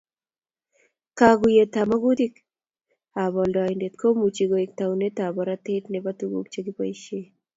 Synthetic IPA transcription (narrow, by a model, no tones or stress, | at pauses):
kaːɡujet̪amɐɡud̪ik | aːbɔlɖɑːinɖet̪kʰomut͡ʃiɡoik̚t̪awnet̪aːbɐɾat̪eʈnebɐt̪uɡṵːk̚t͡ʃɐɡipɐ̰jɕe